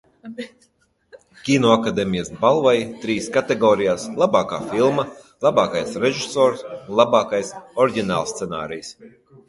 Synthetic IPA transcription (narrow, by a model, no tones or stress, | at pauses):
kʲinɔakad̪emʲijasbalˠvajt̪ɾiːskat̪eɡɔːɾijaːslˠabɑːkaːfilˠma | lˠabɑːkajsɾeʒisɔːɾsunlˠabɑːkajsɔɾiɡʲina̰ːlˠst̪sena̰ːɾḭjs